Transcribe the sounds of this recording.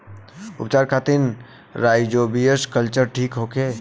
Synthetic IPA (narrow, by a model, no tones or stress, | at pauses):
ʊ̰pt͡ʃaːɾkʰat̪in | ɾajd͡ʒobijəskəlt͡ʃəɾʈʰiːkɦokʰe